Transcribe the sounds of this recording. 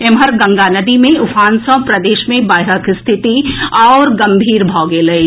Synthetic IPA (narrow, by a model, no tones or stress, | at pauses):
emɦəɾɡɐ̃ŋɡaːnɐd̪imẽʊfʰaːnsɔ̃pɾɐd̪eːʃmẽbaːɪɾəkʰst̪ʰɪt̪iɔːɾɡɐ̃mbʱiːɾbʱɔːɡeːlɐi